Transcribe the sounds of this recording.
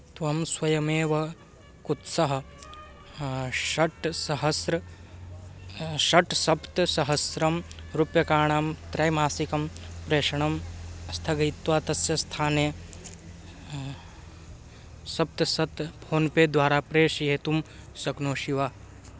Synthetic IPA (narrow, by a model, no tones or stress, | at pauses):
t̪ʋɐmswɐjɐmeːʋɐ | kut̪sɐɦɐ̆ | ʃɐʈsɐɦɐsɾɐ | ʃɐʈsɐpt̪sɐɦɐsɾɐmɾupjɐkaːɳaːmt̪ɾɐjmaːsikɐmpɾeːʂɐɳɐmɐst̪ʰɐɡɐit̪ʋaːt̪ɐsjɐst̪ʰaːneː | sɐp̚t̪ɐsɐt̪pʰoːnpeːd̪ʋaːɾaːpɾeːʃjeːt̪um | sɐknoːʃiʋaː